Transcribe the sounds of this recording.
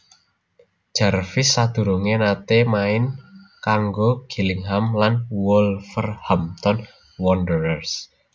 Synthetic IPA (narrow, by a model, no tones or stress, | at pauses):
ʒ̥a̤rfɪsːad̪̥ṳɾoŋenat̪emaɪnkaŋɡoɡ̥i̤lɪŋɦamlanwɔlfərhamt̪ɔn | wɔndəɾərs